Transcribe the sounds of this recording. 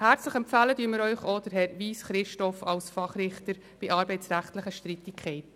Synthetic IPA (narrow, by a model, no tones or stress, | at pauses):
hæɾt͡sləχɛmpfæːlədyːmɪɾœʏχɔd̥̪əɾɦɛɾʋiːsχɾɪʃtɔfɑlsfɑχɾɪχtəɾ | b̥ɪʔɑːɾbɛɪt͡sɾæχtləχəʃtɾit̪ɪkʰχɛɪt